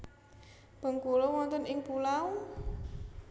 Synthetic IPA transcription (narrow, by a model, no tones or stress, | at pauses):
b̥ə̤ŋkulowɔnt̪ənɪŋpulaw